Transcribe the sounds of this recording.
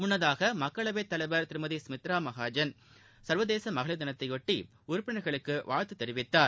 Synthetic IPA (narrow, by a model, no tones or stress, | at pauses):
mʊɳːɐðaːɣɐmɐkːɐɭɐʋeːt̪ːɐlɐɪʋɐɾt̪ɪɾɯmɐðismɪt̪ɾaːmɐɣaːd͡ʒɐn | sɐɾʋɐðeːsɐmɐɣɐɭɐd̪ðɐnɐt̪ːɐɪʋɔʈːi | ʊɾʊpːɪɳɐɾɣɐɭɯkːɯʋa̰ːɻt̪ɯt̪ːɛɾɪʋɪt̪ːaːɾ